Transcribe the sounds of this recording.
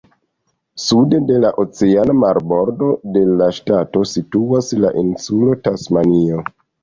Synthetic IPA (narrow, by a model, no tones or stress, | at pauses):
sude̞de̞laʔot͡seanamaɾbo̞ɾdo̞de̞laʃtato̞situasla̰ʔinsulo̞tasmanio̞